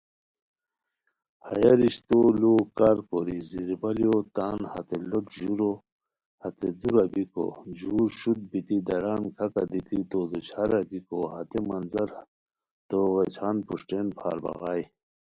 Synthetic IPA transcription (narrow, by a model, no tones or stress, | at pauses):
hɐ̰jɐɾiɕt̪oːloːkaːɾkoɾiziɾbɐlijot̪aːnhɐ̰t̪eloʈʑuɾo | hɐt̪ed̪uɾɐbiko̰ʑuːɾɕud̪̚bit̪id̪ɐɾaːnkʰɐkad̪it̪it̪oːd̪ut͡ɕʰɐɾɐɡikohɐt̪emɐnzɐɾ | t̪oːɣet͡ɕʰaːnpuʂʈeːnpʰa̰ːɾba̰ɣaːj